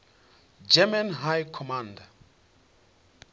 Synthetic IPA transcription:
d͡ʒɛmanɦajkʰɔmanda

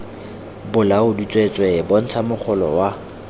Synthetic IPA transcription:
bʊlaʊdut͡sʼwet͡sʼwɛbɔn̩t͡sʰamʊχʰʊlɔ̰wa

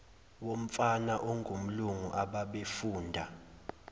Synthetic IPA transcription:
wom̩fanaʔoŋʱum̩luŋuʔaɓaɓefuːndʱa

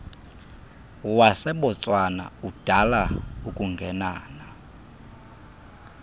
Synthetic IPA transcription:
wasɛɓɔt͡sʼwana̰ud̥ʱalaukʼuŋɡʱɛnaːna

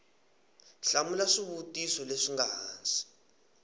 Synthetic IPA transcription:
ɬamulaʂiβutʼisɔleʂiŋɡaɦaːnd͡zʱi̥

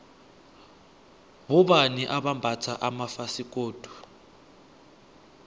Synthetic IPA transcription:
βuɓaniʔaɓambʱat͡sʰaʔamafasik̬ʼoːd̥ʱu̥

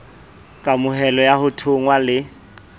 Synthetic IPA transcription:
kʼamʊɦɛlɔjahʊtʰʊŋwalɪ

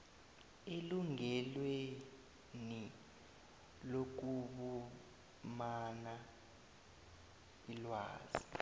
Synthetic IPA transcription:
eluŋɛlwe | ni | lok̬uɓu | mana | ilwa̰ːz̥i̥

